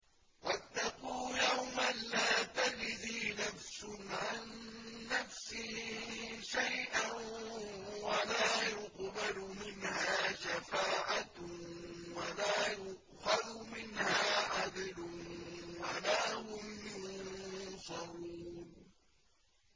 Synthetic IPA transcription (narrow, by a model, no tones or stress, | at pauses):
wat̪ːɑquːjawmanlaːt̪ad͡ʒðiːnafsʊnʕanːafsɪh | ʃajʔan | walaːjʊqbalʊmɪnhaaːʃafaːʔa | walaːjʊʔ | xaðʊmɪnhaːʕad̪lʊwalaːhʊmʊ | sˤɑɾuːn